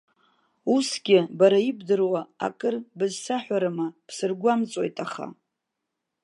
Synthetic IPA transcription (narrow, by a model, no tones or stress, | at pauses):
usɡʲɪbaɾaibdɨrwaa̰kʼɨrbɨzsaħʷᶣaɾamapʰsɨrɡʷamt͡sʼo̞jtʼaχa̰